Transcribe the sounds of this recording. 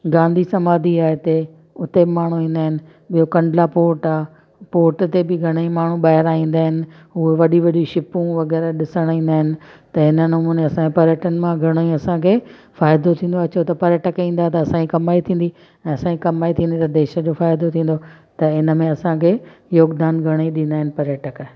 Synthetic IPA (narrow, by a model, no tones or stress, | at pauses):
ɡãːnd̪ʱisɐmaːd̪ʱiaːɪt̪e | ʊt̪ebɪmaːɳ̤ũɦĩːnd̪aːɦɪnɪ̆ | ɓijokɐ̃ɳɖlapoːɾʈaː | poːɾʈt̪ebɪɡʱɐɽ̃əjĩmaːɳ̤ũɓaːɦɪɾaːɦĩːn̆d̪aːɦɪnɪ̆ | ɦueʋɐɗiʋɐɗiʃɪpũʋɐɡɛːɾəɗɪsəɽ̃ĩːnd̪aːɦɪnɪ̆ | t̪ɐɪnənʊmũːneɐsãkʰepɐɾjəʈənɪ̆mãɡʱɐɽ̃əjũɐsãkʰeː | faːɪd̪ot̪ʰĩːn̆d̪oɐt͡ɕʰot̪ɐpɐɾjəʈəkĩːn̆d̪at̪ɐɐsãikɐmaːit̪ʰĩːn̆d̪i | ɛ̃ːɐsãːikɐmaːit̪ʰĩːnd̪it̪ɐd̪eːʃəd͡ʑofaːɪd̪ot̪ʰĩːn̆d̪ot̪ɐɪnə̆mẽɐsãkʰeːjoːɡd̪aːnɡʱɐɽ̃ĩɗĩːnd̪aːɦɪnɪ̆pɐɾjəʈək